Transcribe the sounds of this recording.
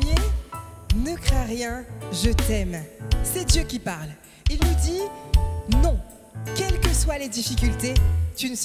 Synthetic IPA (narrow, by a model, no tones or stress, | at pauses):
e | nəkχɛ̃ʁjɛ̃ʒət̪ɛmsɛd̪jøkʲipaʁl | ilnud̪i | nɔ̃ | kʲɛlkəswaled̪ifikʲylt̪et̪ynəs